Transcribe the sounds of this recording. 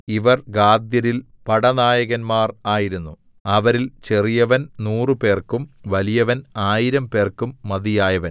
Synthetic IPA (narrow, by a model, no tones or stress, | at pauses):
iʋɐrɡaːd̪jɐɾil | pɐɽɐnaːjɐɣɐnmaːraːjiɾunːu | ɐʋɐɾilt͡ɕe̞rijɐʋɐnnuːrɨpe̞ːrkumʋɐlijɐʋɐnaːjiɾɐmpe̞ːrkumːɐðijaːjɐʋɐn